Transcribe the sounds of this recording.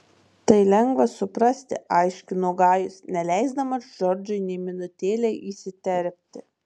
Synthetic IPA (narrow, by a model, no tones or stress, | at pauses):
t̪ɐɪlʲɛŋɡʋɐsʊpɾɐsʲt̪ʲɪ̰ʔɐɪʃʲkʲʊnoːɡɑːjʊsnʲɛlʲæˑɪzd̪ɐmɐsʒɔɾʲd͡ʒʲʊɪnʲɛɪmʲɪnʊt̪ʲeːlʲɛɪʔiːsʲɪt̪ʲɛɾʲpʲt̪ʲɪ